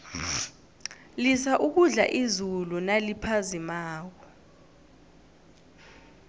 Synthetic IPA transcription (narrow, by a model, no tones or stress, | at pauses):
lisaʔuk̬uɮa̰ʔizulunalipʰazimaːk̬ɔ